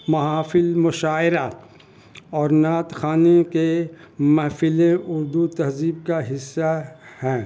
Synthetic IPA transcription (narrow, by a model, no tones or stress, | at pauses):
mɐɦaːfɪlmʊʃaːɪɾa | ɔːɾnaːt̪xaːnekemɐɦfɪlẽʔʊɾd̪ut̪ɐɦziːb̚kaɦɪsːahɛ̃ː